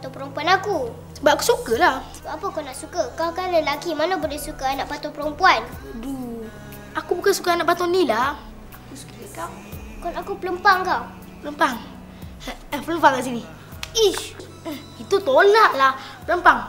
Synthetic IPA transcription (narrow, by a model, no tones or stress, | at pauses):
at̪opəɾompuanaku | səbap̚aku̥sukalahsəkaapakanaʔsukakakaləlakimanabolɛhsukaanaʔpat̪ɔpəɾɔmpuandu | akubukansu̥kaanaʔpat̪ɔnila | akusu̥kaəkaw | kɔnakupələmpaŋkaw | pələmpaŋ | əpələmpaŋkaʔs̬ini | i | it̪ut̪olaʔlah | pələmpaŋ